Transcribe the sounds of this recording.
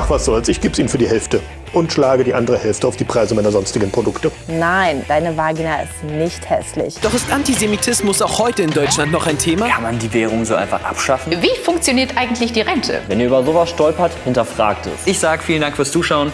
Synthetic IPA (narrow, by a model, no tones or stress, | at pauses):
maχv̥asz̥oːalsɪçɡ̥iːbiːnfyːɐdiːhɛlftə | ʔʊntʃlaːɡədiːʔandəʁəhɛlftəaʊfd̥iːpʁ̥aɪzəmaɪnɐzɔnstɪɡn̩pʁ̥odʊktənaɪnd̥aɪnəvaːɡinaɪ̰stnɪçthɛ̰slɪ̰çd̥ɔχɪstʔantizemitʰɪsmʊsaʊxhɔʏtəɪndɔʏt͡ʃlantnɔχaɪntʰeːmaːkʰanmandiːvɛːʁ̞ʊŋzoːʔa̰ɪnfaχʔa̰pʃafn̩viːfʊŋkt͡sjoniːɐtʔaɪɡŋ̩tʰlɪçd̥iːʁɛntʰə̰vɛndiːɐʔyːbɐzoːvasʃtɔlpɐthɪntɐfʁ̥a̰ːktɛ̰sɪçz̥aːɡəfiːləndaŋkfyːɐst͡suːʃaʊən